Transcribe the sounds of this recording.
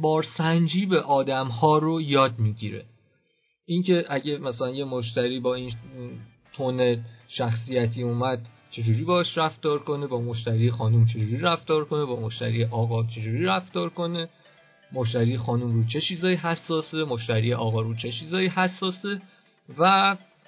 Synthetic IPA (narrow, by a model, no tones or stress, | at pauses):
bɒːɾsænd͡ʒiːbe̞ʔɒːd̪æmhɒːɾo̞jɒːd̪miːɟiɾe̞̰ | ʔincʰe̞ʔæɟe̞mæsælænje̞moʃ̬t̪æɾiːbɒːin | t̪ʰone̞ʃæxsijæt̪ʰiːuːmæd̪̚ | t͡ʃʰe̞d͡ʒuːɾiːbɒːɛʃɾæft̪ɒːɾko̞ne̞bɒːmo̞ʃ̬t̪æɾiːexɒːnumt͡ʃʰe̞d͡ʒuːɾiːɾæft̪ɒːɾkʰo̞ne̞bɒːmo̞ʃt̪æ̰ɾiːeʔɒːɣɒːt͡ʃʰe̞d͡ʒuːɾiːɾæft̪ɒːɾko̞ne̞ | mo̞ʃ̬t̪æɾiːjexɒːnumɾuːt͡ʃʰe̞t͡ʃʰiːzɒːiɦæsːɒːse̞moʃt̪æɾiːeʔɒːɣɒːɾuːt͡ʃʰe̞t͡ʃʰiːzɒːjiːhæsːɒːse̞ | væ